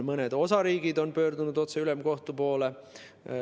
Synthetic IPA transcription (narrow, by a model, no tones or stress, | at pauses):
mɤned̪̥o̞sɑɾiːɡ̥id̪o̞npø̞ːrd̪unud̪̥o̞t̪se̞ylemko̞ht̪upo̞ːle